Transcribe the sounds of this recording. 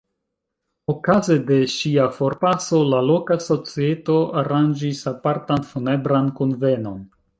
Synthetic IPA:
okaze̞de̞ʃiafo̞ɾpaso̞lalo̞kaso̞t͡sieto̞aɾand͡ʒisapaɾtanfune̞bɾankonve̞no̞n

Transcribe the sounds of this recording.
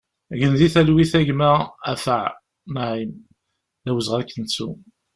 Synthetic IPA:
ʝənðiθælwiθæʝmææ̰fəʕ | maʕim | ðæwəzʁæðkːənsṵ

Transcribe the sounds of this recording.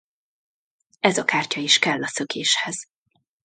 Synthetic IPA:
ɛzɒkaːrcɒiʃkɛlːɒsø̞kʰeːʃhɛz̥

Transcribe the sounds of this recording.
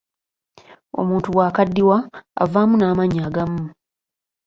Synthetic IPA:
o̞̰muːntuwaːkadːiwa̰ːvaːmunaːmaɲaːɡamu

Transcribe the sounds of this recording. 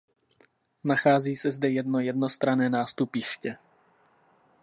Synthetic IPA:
naxaːziːsɛzdɛjɛdno̞jɛdno̞st̪ɾanɛːnaːst̪upɪʃcɛ

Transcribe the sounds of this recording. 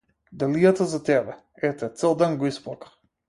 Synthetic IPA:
d̪alijat̪azat̪ɛbɛ | ɛt̪ɛt̪sɛlˠd̪ɛnɡɔispˠɔkḁ

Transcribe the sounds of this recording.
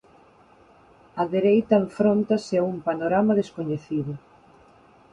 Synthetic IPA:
ɐðeɾejt̪ɐeɱfɾont̪ɐseumpanoɾamɐðeskoɲeθiðʊ

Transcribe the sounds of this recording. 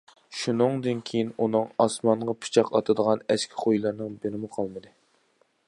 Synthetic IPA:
ʃunɨŋd̪ɨnkʲʰejinunɨŋɑsmɑɴʁɑpʰɨ̥t͡ʃʰɑqɑt̪ʰɨd̪əʁɑnɛskʲʰi̥χojlˠɨɾnɨŋbeɾɪmɨqʰɑlˠmɨd̪ɨ

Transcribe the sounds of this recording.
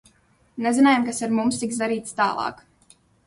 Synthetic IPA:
nɛzinaːjamkasaɾmumst̪iksd̪aɾiːt̪st̪a̰ːlˠɑ̰ːk

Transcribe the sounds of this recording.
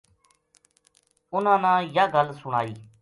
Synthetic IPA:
ʊnãːnãːjaːɡəlsʊɽ̃a̰ːiː

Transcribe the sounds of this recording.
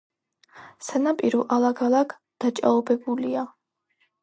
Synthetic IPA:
sanapʼiɾuʔalˠaɡalˠaɡʰ | d̪̥at͡ʃʼa̰ɔbɛbulia

